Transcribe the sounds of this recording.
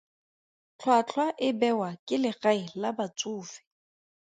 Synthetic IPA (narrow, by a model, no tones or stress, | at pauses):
t͡ɬʰwat͡ɬʰwaʔɪbɛwakʼɪlɪɣaɪlabat͡sʼuːfɪ̥